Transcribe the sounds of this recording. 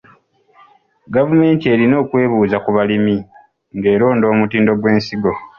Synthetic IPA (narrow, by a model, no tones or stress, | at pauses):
ɡavume̞ːntie̞ːɾino̞ːkwe̞ːβuːzakuβalimi | ŋɡe̞ːɾo̞ːndo̞ːmutiːndo̞ɡwe̞ːnsiɡo̞